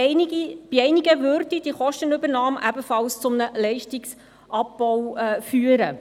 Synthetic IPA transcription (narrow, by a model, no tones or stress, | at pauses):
ib̥iɛɪniɡəvøɾdid̥iχɔʃtənʏbəɾnɑːmʔæbəfɑlst͡sʊmnəlɛɪʃtɪks | ʔɑp̚b̥ɔwfyːəɾə